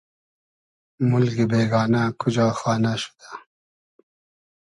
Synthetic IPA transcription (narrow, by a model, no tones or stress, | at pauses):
mʊlkebeːɡɑːnakʰʊd͡ʒaːxaːnaʃu̥d̪̥a